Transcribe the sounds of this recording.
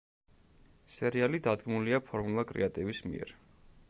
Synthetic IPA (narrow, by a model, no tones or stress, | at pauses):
sɛɾialid̪ad̪ɡmuliapʰɔɾmulˠakʼɾɛ̰at̪ʼivismḭɛ̰ɾ